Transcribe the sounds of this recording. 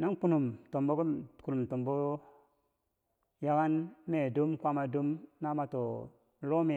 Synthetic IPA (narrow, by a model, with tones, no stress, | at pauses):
na˦nku˦nu˨mto˨mbo˦kku˨nu˨mto˨mbo˦ | ja˦ka˦nme˨du˦mkʷa˦ma˨du˦mna˦ma˨to˨ | lo˦me˨